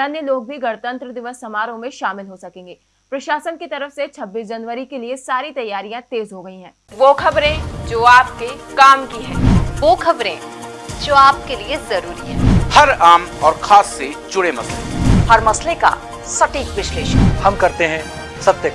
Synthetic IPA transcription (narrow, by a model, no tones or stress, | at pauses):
ɐnjəloːɡ̚bʱiɡɐɽt̪ə̃nt̪ɾəd̪ɪʋəsːɐmaːɾõmẽʃaːmɪlɦosɐkẽːŋɡeː | pɾɐʃaːsənkit̪ɐɾəfset͡ʃʰɐbːiːs̬d͡ʒɐnʋəɾikeliesaːɾit̪ɐjːaːɾijãt̪eːzɦoɡɐĩɦɛ̃ːʋoːkʰɐbɾẽd͡ʒoːaːp̚kekaːmkiɦɛ̰̃ːʋoːkʰɐbɾẽ | d͡ʒoːaːp̚keliezɐɾuːɾiɦɛ̰̃ːhɐɾaːmɔːɾxʰaːsːed͡ʒʊɽemɐslḛhɐɾmɐsleka̰ | sɐʈiːkʋɪʃleːʃə̰nhɐmkɐɾt̪eɦɛ̃ː | sɐb̚t̪e